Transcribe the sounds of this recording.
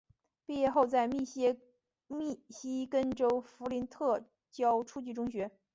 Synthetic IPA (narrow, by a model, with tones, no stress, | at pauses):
pi˥˧jɛ˥˧xo˥˧ʊt͡sa˥˧ɪmi˥˩˥ | mi˥˩ɕi˥kə˥nʈ͡ʂo˥ʊfu˧˥li˧˥nt̪ʰɤ˥˩ | t͡ɕjɑ˥ʊʈ͡ʂʰu˥t͡ɕy˥˩ʈ͡ʂʊ˥ŋɕɥɛ˧˥